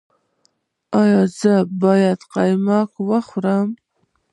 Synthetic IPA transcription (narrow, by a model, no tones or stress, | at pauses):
ɑjɑzɨbɑːjadqɑjmakʰʷwaχʷʊɾam